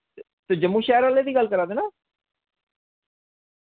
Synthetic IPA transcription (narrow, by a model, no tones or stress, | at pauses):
t̪ed͡ʒəmːũːʃɛːəɾəːleːd̪iːɡəlkəɾaːd̪eːnaː